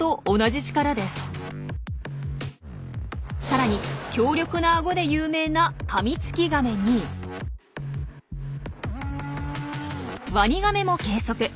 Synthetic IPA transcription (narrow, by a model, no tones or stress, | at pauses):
t̪o̞ːnaʑit͡ɕi̥kaɾad̪e̞sɨ̥ | saɾaɲ̟ikʲo̞ːɾʲo̞kɯ̟naːɡo̞d̪e̞jɯːme̞ːnakʰamʲit͡sɨ̥kʲiɡame̞ɲ̟i | βaɲ̟iɡame̞mo̞ke̞ːso̞kɯ̟